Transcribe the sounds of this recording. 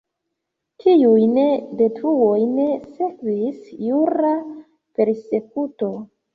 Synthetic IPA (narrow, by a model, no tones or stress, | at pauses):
tʰiujne̞de̞tɾuwo̞jne̞sekvisjuɾa | pe̞ɾse̞kuto̞